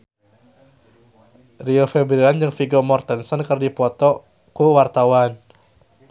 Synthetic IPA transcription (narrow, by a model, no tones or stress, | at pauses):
riɔfɛbɾiɾand͡ʒɨŋfiɡɔmɔrt̪ɛnsɔnkərdipɔt̪ɔ | kuwart̪awan